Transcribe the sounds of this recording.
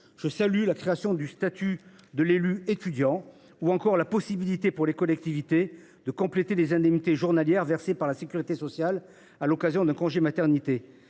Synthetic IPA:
ʒ̥əsalylakχeasjɔ̃d̪yst̪at̪ʰy | d̪əlelyet̪yd̪jɑ̃ | uɑ̃kɔʁlapɔsibilit̪epuʁlekɔlɛk̚t̪ivit̪e | d̪əkɔ̃plet̪ed̪ezɛ̃d̪ɛmnit̪eʒuʁnaljɛʁvɛʁsepaʁlasekʲyʁit̪esɔsjal | alɔkazjɔ̃d̪ɛ̃kɔ̃ʒemat̪ɛʁnit̪e

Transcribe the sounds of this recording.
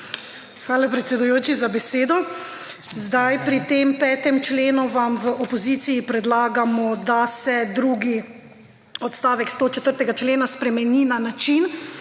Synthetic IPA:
xʋaːlapɾɛt̪sʲɛd̪ujoːt͡ʃizabɛseːd̪ɔ | zd̪ajpɾit̪eːmpɛːt̪ɛmt͡ʃleːnuʋamʋəʔɔpɔziːt̪siːpɾɛd̪laːɡamɔd̪asɛd̪ɾuːɡi | ɔt̪st̪aːʋɛkst̪oːt͡ʃɛt̪əɾt̪ɛɡat͡ʃleːnaspɾɛmɛniːnanat͡ʃin

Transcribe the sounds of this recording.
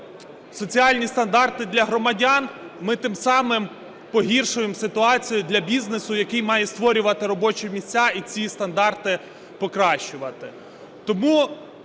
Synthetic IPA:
sɔt͡sʲiɑlʲnʲist̪ɐnd̪ɑrt̪ɪd̪lʲɐɦɾɔmɐdʲɑnmɪt̪ɪmsɑmɪm | pɔɦʲirʃʊjemsɪt̪ʊɑt͡sʲijʊd̪lʲɐbʲiznesʊjɐkɪjmɑjɛst̪ʋɔɾʲʊʋɐt̪ɪɾɔbɔt͡ʃɛmʲisʲt͡sʲːait͡sʲist̪ɐnd̪ɑrt̪ɪ | pɔkɾɑʃt͡ʃʊʋɐt̪ɪ | t̪ɔmu

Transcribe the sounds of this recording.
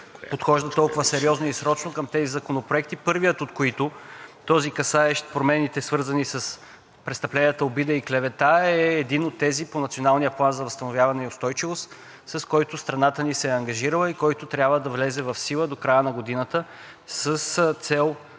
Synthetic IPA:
ppot̪xɔʒd̪ɐt̪ɔlˠkʊvəsɛɾiɔznoisɾɔt͡ʃnokəmt̪ɛzizɐkonopɾoɛkt̪ipɤɾvijət̪ot̪koit̪ʊt̪ɔzikɐsaɛʃt̪pɾomɛnit̪ɛsvɤɾzɐnisəs | pɾɛt̪st̪ɐplɛnijət̪əobid̪əiklɛvɛt̪aɛːd̪inot̪ːɛziponɐt̪sionalˠnijəplˠanzɐvɐst̪ɐnovjavɐnɛiʊst̪ɔjt͡ʃivost̪ | sɐskɔjt̪ʊst̪ɾɐnat̪ənisɛɐŋɡɐʒiɾəlˠəikɔjt̪ʊt̪ɾʲjabvəd̪ɐvlɛzɛvɐfsilˠəd̪okɾajənɐɡod̪inət̪ə | səst̪sɛlˠ

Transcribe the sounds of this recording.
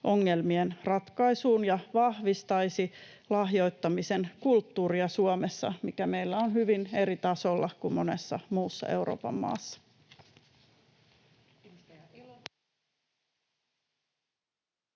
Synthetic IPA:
ʔo̞ŋːe̞lmienrɑt̪kɑjsuːnjɑʋɑhʋist̪ɑjsi | lɑhjo̞jt̪ːɑmise̞nkult̪ːuːɾiɑsuomesːɑ̰mikæme̞jlːæo̞nɦyʋine̞ɾit̪ɑso̞lːɑkummo̞ne̞sːɑmuːsːɑ̰e̞̰wɾo̰ːpɑ̰mːɑ̰ːsːɑ̥

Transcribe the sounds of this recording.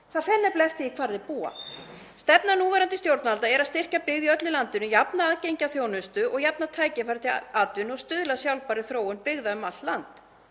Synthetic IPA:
θaðfɛnːɛplaɛft̪ɪikʰvaɾðɪpuːa̰ | st̪ɛpnanuːvɛɾant̪ɪst̪jowɾt̪nalt̪aɛɾaðst̪ɪr̥capɪɣðiœt̪lɪlant̪ɪnʏjapnaaːðcejɲcaθjownʏst̪ʏʔɔɣjapnat̪ʰaːjcɪfajɾt̪ʰɪaːt̪vʏnɔɣst̪ʏːðlasjawlpaɾɪθɾoːwʏnpɪɣðaʏmalt̪lant̪

